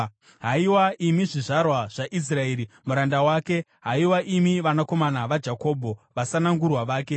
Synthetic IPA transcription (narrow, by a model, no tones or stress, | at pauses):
ɦaiwaʔimiʐiʐarwaʐ̥aʔis̬rae̞ːɾimuɾandawaːke̞ | ɦaiwaʔimiʋanako̞manaʋad͡ʒako̞ːbʱo̞ʋasanaŋɡurwaʋaːke̞